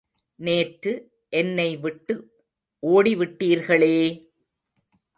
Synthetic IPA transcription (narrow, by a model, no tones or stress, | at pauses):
neːʈɾɯ | ʔɛnːɐɪʋɪʈːɯ | ʔoːɽiʋɪʈːiːɾɣɐɭeː